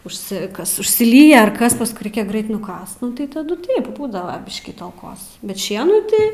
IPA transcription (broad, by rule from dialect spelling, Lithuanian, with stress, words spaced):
ʊʃʲˈsʲɪkɐs ʊʃʲsʲɪˈlʲiːjɛ ɐr ˈkɐs pɐsˈkʊɪ ˈrɐɪkʲɛ ˈɡrɐɪt nʊˈkɐst ˈnʊ tɐɪ ˈtɑːdʊ ˈtɐɪp ˈbuːdɐʋɐ ˈbʲɪʃʲkʲiː tɐlˠˈkoːs bʲɛt ˈʃʲiɛnuː tɐɪ